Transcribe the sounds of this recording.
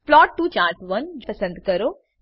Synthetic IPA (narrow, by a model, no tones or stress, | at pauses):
plɔːʈːuːt͡ʃaːɾsʋɐnd͡ʒpɐsɐ̃nd̪kɐɾoː